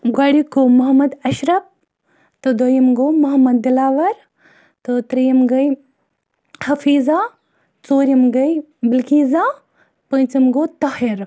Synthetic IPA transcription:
ɡwaːɽikomɐɦɐmɐd̪ɐʃɾɐp̚ | t̪od̪ɐjimɡomɐɦɐmɐd̪̚ːɪlaːʋɐɾ | t̪ot̪ɾɐjɐmɡɐj | hɐfiːza | t͡soːɾʲimɡɐj | bilkiːza | pə̃ːt͡simɡoːt̪ahiɾ

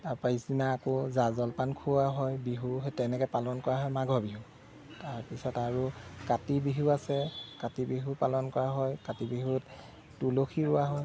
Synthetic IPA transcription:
taɹpaisinaːkozazɔlpankʰuwaɦɔjbiɦuɦetɛnɛkɛpalɔnkɔɹaɦɔjmaɡʱɔbiɦu | taɹpisɔtaɹukatibiɦuasɛkatibiɦupalɔnkɔɹaɦɔjkatibiɦut | tuloxʰiɹʊwaɦɔj

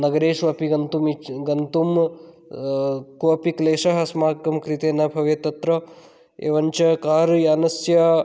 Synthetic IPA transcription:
nɐɡɐɾeːʃʋɐpiɡɐnt̪umiɡɐnt̪um | koɐpikleːʃɐɦɐsmaːkːɐmkɾit̪eːnɐbʱɐʋet̪ɐt̪ɾɐ | ḛːʋɐɲt͡ʃɐkaːɾjaːnɐsjɐ

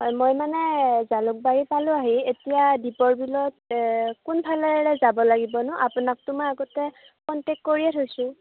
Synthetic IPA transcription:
ɦɔjmojmanɛzalʊk̚baɹipalʊ̃aɦietijadipɔɹbilɔt̚kunpʰalɛɹɛzabɔlaɡibɔnʊʔapunak̚tʊmojaɡɔtɛ | kɔntekːoɹiɛtʰojsʊ̃

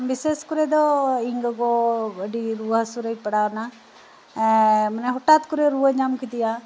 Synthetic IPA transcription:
bɪseskʊɾed̪oɪŋɡɡoɡəɖiɾuːasuɾəipəɽaːna | ɛ̃mənẽɦʊʈaːt̪kʊɾeɾuəɲamkʰit̪ijãː

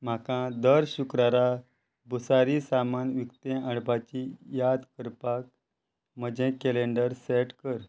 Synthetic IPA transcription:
m̤akãd̪əɾɕukɾaɾa | busaɾisamanʋikt̪ẽəɽbat͡ɕijad̪kəɾpak̚ | m̤əd͡ʑɛ̃kɛleɳɖəɾseʈkəɾ

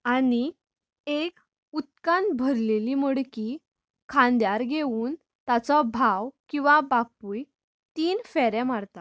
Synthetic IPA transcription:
ani | ek | ut̪̚kanbʱəɾleliːməɭki | kʰãnd̪jaɾɡʱeuːn | t̪at͡sɔbʱawkĩw̃ʋabapuːj | t̪iːnfɛɾɛ̃maɾt̪a

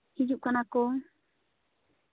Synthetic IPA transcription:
hid͡ʒuʔ̚kanakoŋ

